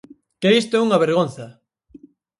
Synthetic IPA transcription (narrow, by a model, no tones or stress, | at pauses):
keist̪ouŋaβeɾɣon̟θɐ